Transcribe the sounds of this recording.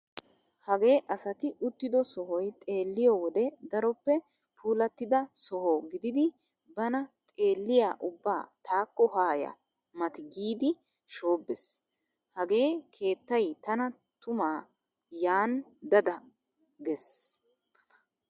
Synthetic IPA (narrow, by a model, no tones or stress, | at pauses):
hɐɡe̞ːʔɐsɐt̪ɪʔʊt̪ːɪd̪ɔsɔɦɔjt̪ʼe̞ːlːɪjɔːwɔd̪ɛd̪ɐɾɔpːɛ | pʰuːlɐt̪ːɪd̪ɐsɔhoːɡɪd̪ɪd̪ɪ | bɐnɐt̪ʼe̞ːlːɪjaːʔʊbːaːt̪ʰaːkːɔhaːjɐ̰ | mɐt̪ɪɡiːd̪ɪ | ʃo̞ːbːɛs | hɐɡe̞ːkʰe̞ːt̪ːɐjt̪ɐnɐ | t̪ʊmaː | jaːnd̪ɐd̪ɐ | ɡɛs